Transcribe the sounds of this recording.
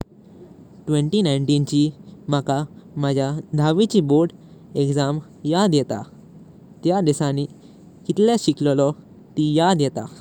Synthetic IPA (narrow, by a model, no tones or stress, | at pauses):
ʈʋeɳʈinajɳʈint͡ɕimakamad͡ʑʱjad̪ʱaʋit͡ɕiboɾɖ | ekd͡zam | jad̪jɛt̪a̰ | t̪jad̪isani | kit̪ljaɕikllɔ | t̪ijad̪jɛt̪a̰